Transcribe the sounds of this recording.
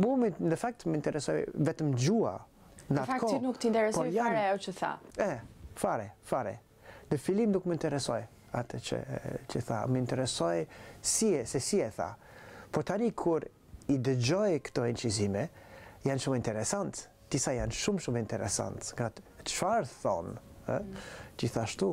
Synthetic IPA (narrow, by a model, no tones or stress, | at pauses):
mbumnəfak̚t̪məint̪ɛɾɛsɔjvɛt̪əmd͡ʒua̰ | nat̪kɔnukt̪int̪ɛɾɛpɔjaɾɛɔt͡ʃəθa̰ɛfaɾɛfaɾɛ̰ | nəfilimd̪ukməint̪ɛɾɛsɔj | at̪ʰət͡ʃə̰t͡ʃəθa̰məint̪ɛɾɛsɔjsiɛsɛsiɛθa̰ | pɔɾt̪anikʰuɾ | id̪əd͡ʒɔjkt̪ɔint͡ʃizimɛjanʃumint̪ɛɾɛsant̪ | d̪̥isajanʃumʃumint̪ɛɾɛ̰sa̰nt̪ŋɡat̪ʃfaɾθɔ̰nə̰d͡ʒiθaʃt̪u